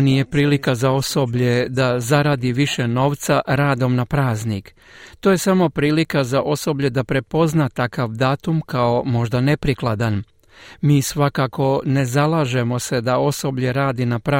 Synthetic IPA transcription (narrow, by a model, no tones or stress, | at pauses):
nije̞pɾiːlikazao̞so̞bʎe̞d̪azaɾaːd̪iʋiʃe̞no̞ːʋt̪saɾaːd̪o̞mnapɾaːznik | t̪oːje̞samo̞pɾiːlikazaʔo̞so̞bʎe̞d̪apɾe̞po̞znat̪akaʋd̪aːt̪umkao̞mo̞ʒd̪ane̞pɾiklˠad̪an | miːsʋakako̞ne̞zalaːʒe̞mo̞se̞d̪ao̞so̞bʎe̞ɾaːd̪inapɾa